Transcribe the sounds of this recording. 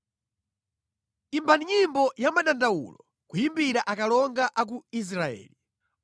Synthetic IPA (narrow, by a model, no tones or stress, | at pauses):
imbaniɲimbɔjamaɗandawṵlɔ | kujimbiɾaʔakalɔŋɡaʔak̬uis̬ɾaɛ̰ːli